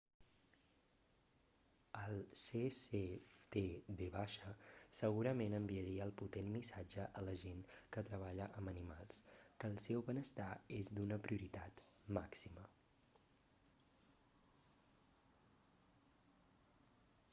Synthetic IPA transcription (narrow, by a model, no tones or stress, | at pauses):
əlˠseset̪ed̪eβaʃəsəɣuɾəmenəmbiəɾiəːlˠput̪enmisad͡ʒəʔələʒenkət̪ɾəβaʎəʔəmənima̰lˠskəːlˠsɛwβənəst̪aezd̪unəpɾiuɾit̪at̪ | maksimə